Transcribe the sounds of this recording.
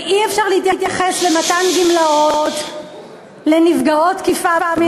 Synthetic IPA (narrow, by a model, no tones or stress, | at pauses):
iefʃaʁlehit̪jat̪jaχeslematanɡimlaot̪ | le̞nivɡao̞tkifabame